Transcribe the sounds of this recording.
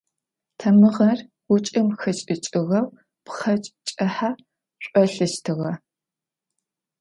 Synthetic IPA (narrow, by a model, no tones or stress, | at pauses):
tʰɐmɨʁɐr | wʊt͡ʃʼɨmxɐt͡ʃʼɪt͡ʃʼɪʁɐw | pχɐt͡ʃʼt͡ʃʼɐħa | ɕʷʼɔɬɨʃtʰɨʁɐ